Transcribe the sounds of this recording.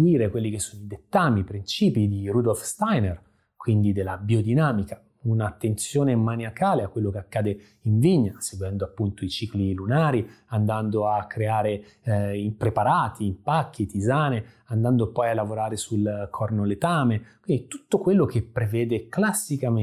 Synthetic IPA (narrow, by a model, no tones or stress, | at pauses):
iːɾekwelːikesːonoid̪et̪ːaːmipɾint͡ʃiːpid̪iɾud̪olfst̪ajner | kwind̪id̪elːabiod̪inaːmika | unat̪ːent̪sjoːnemaniakaːleakːwelːokeakːaːd̪e | iɱviɲːaseɡwɛnd̪oapːunt̪oit͡ʃiːklilunaːɾiand̪and̪oakːɾeaːɾe | ipɾepaɾaːt̪ʰiːmpakʰːit̪izaːne | and̪and̪opɔjalːavoɾaːɾesulkʰɔrnolet̪aːmekwind̪it̪ut̪ːokwelːokepːɾevɛːd̪eklasːikam